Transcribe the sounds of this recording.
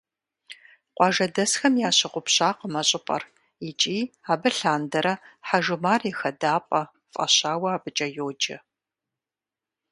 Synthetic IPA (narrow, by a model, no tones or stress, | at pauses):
qʷɑʒɐdɐsxɐmjaːɕɪqʷʊpɕaːqəmɐɕʼɪpʼɐ̰r | it͡ʃʼiːaːbɨɬaːndɐɾɐħaʒɨmaːrixɐdaːpʼɐ | fʼɐ̰ɕaːwɐaːbɨt͡ʃʼɐjoːd͡ʒɐ̰